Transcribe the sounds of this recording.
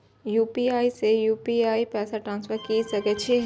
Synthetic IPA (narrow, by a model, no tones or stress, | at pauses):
juːpiaːisejuːpiaːipɛːsaʈɾãːnsfəɾkisɐket͡ʃʰiɦ